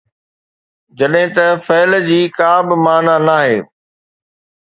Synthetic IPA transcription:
d͡ʑɐɗɦɪ̃t̪ɐfɐːld͡ʑiːkaːbɪmaːnanaːɦḛː

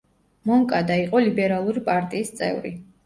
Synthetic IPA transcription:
mɔŋkʼad̪aiqʼɔlibɛɾalˠuɾipʼaɾt̪ʼiːst̪sʼɛ̰vɾi

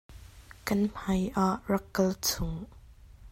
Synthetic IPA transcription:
kɐnm̥ɐjʔaʔrɐkːɐlt͡sʰʊŋ

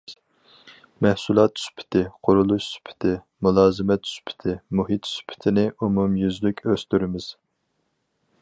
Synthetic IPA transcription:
mɛhsulˠɑt̪ːsy̥pʰɪ̥t̪ʰɪqʰʊɾulˠuʃsy̥pʰɪ̥t̪ʰɪ | mulˠɑːzɨmɛt̪ːy̥spʰɪ̥t̪ʰɪmuɦit̪sy̥pʰɪ̥t̪ʰɪnɪʔumumjyzlykʲʰøst̪yɾɪmɪz̥

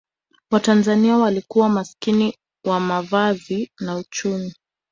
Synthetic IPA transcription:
watanzaniawalikuwamaskini | wamavazinaut͡ʃumi

